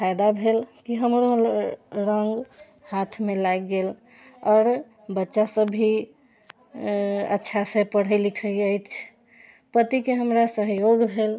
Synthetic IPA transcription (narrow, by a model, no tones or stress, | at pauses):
pʰajd̪abʱelkiɦəmɾo | ɾəŋɡ | hat̪ʰmelajɡel | ɔːɾ | bətːʃasəbʱi | ə̰tːʃʰasẽpəɽ̤əɪlikʰəjəjt͡ʃʰ | pət̪ikeɦəmɾasəɦjoɡbʱel